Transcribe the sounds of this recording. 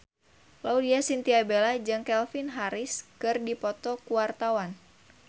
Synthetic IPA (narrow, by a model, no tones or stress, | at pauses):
laudiasint̪iabelad͡ʒɨŋkɛlfinɦaɾɪskɨrdipɔt̪ɔkuwart̪awan